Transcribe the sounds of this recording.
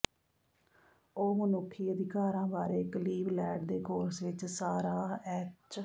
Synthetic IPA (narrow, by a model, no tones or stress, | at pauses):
oːmənʊkʰːiːəd̪ɪkaːɾãːbaːɾeːkəliːblɛːɖd̪eːkoːɾsʋɪt͡ʃsaːɾaːɛːt͡ʃ